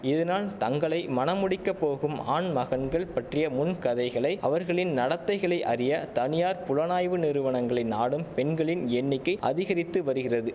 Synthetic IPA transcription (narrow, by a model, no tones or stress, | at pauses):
ɪðɐnaːlt̪ɐŋɡɐɭɐɪmɐnɐmʊɽɪkːɐpːoːɣɯma̰ːɳmɐɣɐnɡɐɭpɐʈrɪjɐmʊnkɐðɐɪɣɐɭɐɪɐ̰ʋɐɾɣɐɭɪnnɐɽɐt̪ːɐɪɣɐɭɐɪʔɐrɪjɐt̪ɐnɪjaːɾpʊɻɐnaːjʋɯnɪɾɯʋɐɳɐŋɡɐɭɐɪnaːɽɯmpɛɳɡɐɭɪnɛɳːɪkːɐɪʔɐ̰ðɪɣɐɾɪt̪ːɯʋɐɾɯɣɪrɐðɯ